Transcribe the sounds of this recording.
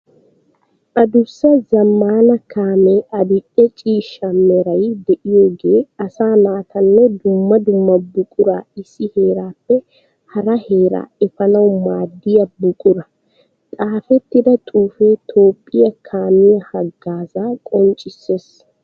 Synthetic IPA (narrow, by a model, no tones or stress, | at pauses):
ʔɐd̪ʊsːɐzɐmːaːnɐkʰaːmeɐbɪʔʼɛt͡ʃʼiːʃːɐmːɛɾɐjd̪ɛʔɪjo̞ːɡe̞ːɐsaːnaːt̪ɐnːɛd̪ʊmːɐd̪ʊmːɐbʊkʼʊɾaɪsːɪhe̞ːɾaːpːɛ | hɐɾɐhe̞ːɾa̰ːɛfɐnɐwmaːd̪ːɪjɐbʊkʼʊɾɐ | t̪ʼaːfɛt̪ːɪd̪ɐt̪ʼuːfeːt̪ʰo̞ːpʼːɪjɐkʰaːmɪjɐhɐɡːaːzaːkʼɔnt͡ʃʼɪsːeːs